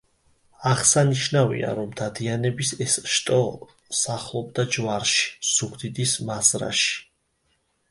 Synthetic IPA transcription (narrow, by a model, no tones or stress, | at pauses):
aʁsaniʃnavḭa̰ɾɔmd̪ad̪ianɛbisɛsʃt̪ʼɔ | saχlˠɔb̚d̪ad͡ʒvaɾʃi̥z̥uɡd̪id̪ismazɾa̰ʃi̥